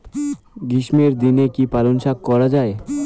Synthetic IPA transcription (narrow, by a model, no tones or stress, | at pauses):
ɡɾiʃmeɾd̪inekipalonʃakkɔɾad͡ʑae